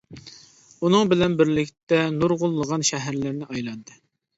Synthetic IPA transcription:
unɨŋbɪlɛnbɪɾlɪkʲt̪ɛnuɾʁʊlˠːəʁɑnʃɛɦæɾlɪɾnɪɑjlˠɑnd̪ɨ

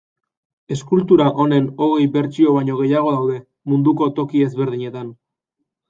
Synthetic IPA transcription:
eskult̪uɾaʔo̞ne̞no̞ɣ̞e̞jbe̞ɾt͡ʃio̞βaɲo̞ɣ̞e̞jaɣ̞o̞ðawðe̞ | mund̪uko̞t̪o̞kie̞zβe̞ɾðiɲe̞t̪an

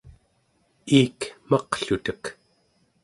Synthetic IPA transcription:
iːkmɑqɬut̪ək

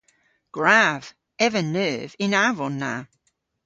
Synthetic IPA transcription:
ɡ̥ɹav̥ | ɛvənɜːvɪ̃naːvɔnːa̰

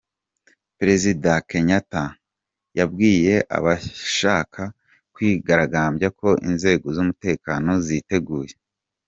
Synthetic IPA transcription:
pɾe̞zidake̞ɲata | jab̚ɡiːje̞ʔa̰βaʃaːkʰa | kwiːɡaɾaɡaːmbjako̞ʔḭnze̞ːɡo̞zumute̞ːkano̞zite̞ɡuːje̞

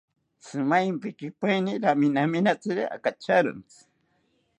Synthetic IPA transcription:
sɨmajmpɪkɪpajniɾaminaminat͡siɾaa̰kat͡ʃaɾʊ̰nt͡s

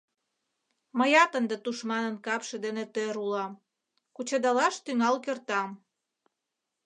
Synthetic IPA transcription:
məjɑt̪ənd̪et̪uʃmɑnənkɑpʃĕd̪enet̪øɾulɑm | kut͡ɕɑd̪ɑlɑʃt̪yŋɑlkørt̪ɑm

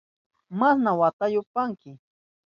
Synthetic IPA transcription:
masnawat̪ajʊpaŋkɪ

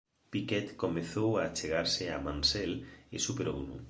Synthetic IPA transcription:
pikɛt̪komeθowat͡ʃeɣaɾsɪamãnsɛlesupeɾo̰wnʊ̰

